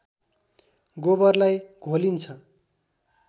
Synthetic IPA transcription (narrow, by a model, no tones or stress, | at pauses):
ɡobʌrlajɡʱolint͡sʰʌ